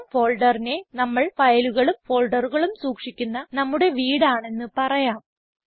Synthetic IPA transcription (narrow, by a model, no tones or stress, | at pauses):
fo̞ːɭɖɐrine̞nɐmːɐɭfɐjɐluɣɐɭumfo̞ːɭɖɐruɣɐɭumsuːkʂikʲːunːɐnɐmːuɽe̞ʋiːɽaːɳe̞nːɨpɐrɐjaːm